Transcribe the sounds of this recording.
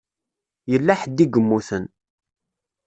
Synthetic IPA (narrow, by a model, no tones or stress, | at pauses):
jəlːaħəd̪ːiɡəmːuθən